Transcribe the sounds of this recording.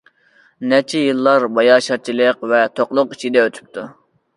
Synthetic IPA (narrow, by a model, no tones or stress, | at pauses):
nɛt͡ʃʰɛjɨlˠːɑɾbɑjɑʃɑt͡ʃʰilˠəqvɛt̪ʰoqlˠʊqit͡ʃʰid̪ɛøt̪ʰy̥p̚t̪ʰu